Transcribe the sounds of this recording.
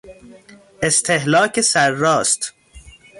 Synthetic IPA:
est̪ʰeɦlɒːcʰesæɾːɒːst̪

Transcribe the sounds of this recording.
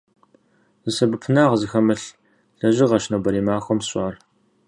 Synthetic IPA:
zɨsɐbɨpʰɨnaːʁzɨxɐmɨɬ | ɬɐʒɪʁɐʃnɐwbɐɾiːmaːxʷɔmsʼʷɑːr

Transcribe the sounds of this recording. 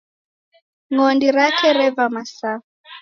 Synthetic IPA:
ŋɔndiɾakɛɾɛvamasa

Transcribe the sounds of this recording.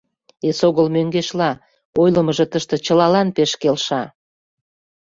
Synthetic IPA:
esoɣəlmøŋɡeʃlɑ | ojləməʒə̆t̪əʃt̪ĕt͡ɕəlɑlɑnpeʃkelʃɑ

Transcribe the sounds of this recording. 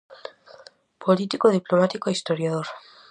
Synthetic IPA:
pʰolit̪ikoðiplomat̪ikoist̪oɾjað̞oɾ

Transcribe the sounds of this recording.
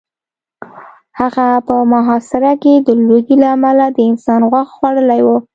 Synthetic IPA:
haɣapəmaɦɑsɪɾaked̪əloɡilaːmalad̪əɪnsɑnɣwaxxwaɽəlajwu

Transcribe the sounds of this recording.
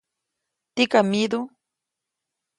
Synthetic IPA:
t̪ikamid̪u

